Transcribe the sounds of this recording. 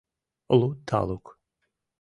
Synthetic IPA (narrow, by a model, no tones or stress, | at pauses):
lˠut̪ʰa̰lˠuk